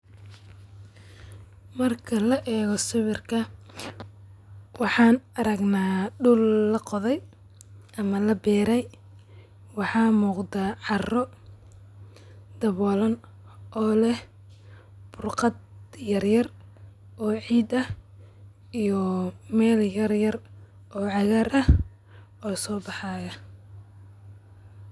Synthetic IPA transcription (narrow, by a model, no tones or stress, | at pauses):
mɐrkʰɐlɐʔɛːɣɔsɪβɪrkʰɐ | wɑħɑːnɐɾɐɡnaːɖʊlːɐqɔðɛj | ʔɐmɐlɐbɛːɾɛj | wɑħɑːmuːqd̪aːʕɑrɔ | d̪ɐβɔːlɐn | ʔɔːlɛh | b̥ʊrqɑd̪jɐrjɐr | ʔɔːʕiːd̪ɐh | ijɔmɛːljɐrjɐr | ʔɔːʕɑɣɐɾʔɐh | ɔːsɔːbɑħaːɣɐ